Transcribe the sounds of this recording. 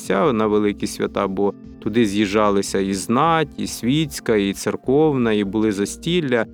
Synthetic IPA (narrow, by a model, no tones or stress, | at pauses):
sʲanɐʋelˠɪkʲisʲʋʲɐ̰t̪ɑbɔ | t̪ʊd̪ɪzʲjiʒɑlˠɪsʲɐiznɑtʲḭsʲʋʲisʲkɐit̪serkɔwnɐibʊlˠɪzɐsʲtʲilʲːɐ